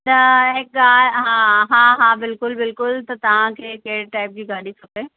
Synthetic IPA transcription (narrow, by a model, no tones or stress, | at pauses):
t̪ɐɦɪk̚ɡaːlɦãɦaɦaːbɪlkʊlbɪlkʊlt̪ɐt̪ɐʋ̤ãkʰeːkɐɦɪɽʈaːɪp̚d͡ʑiːɡaːɗisʰɐpeː